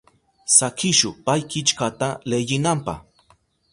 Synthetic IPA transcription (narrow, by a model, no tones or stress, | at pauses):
sakɪʃʊpajkɪt͡ʃkat̪aleʎɪnampa̰h